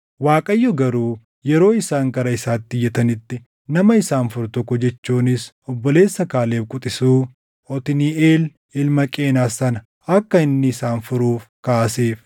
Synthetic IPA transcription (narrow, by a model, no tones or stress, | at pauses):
waːkʼɐjːɔɡɐɾuː | jɛɾo̞ːɪsaːŋkɐɾɐɪsaːt̪ːɪjːɛt̪ɐnɪt̪ːɪ | nɐmɐɪsaːnfʊɾt̪ɔkːʊd͡ʒɛt͡ʃːuːnɪs | ɔbːɔle̞ːsːɐkaːle̞ːfkʼʊt̪ʼɪsuː | ɔt̪ɪnieːl | ɪlmɐkʼeːnaːsɐnɐ | ɐkːɐɪnːɪːsaːnfʊɾuːfkaːseːf